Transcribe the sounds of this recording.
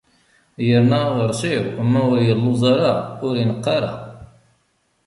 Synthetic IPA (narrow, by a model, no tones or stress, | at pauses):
jəɾnæðəɾˤsiʁmːæʊɾjəlːʊzˤɑɾaʊɾinəqːɑɾa̰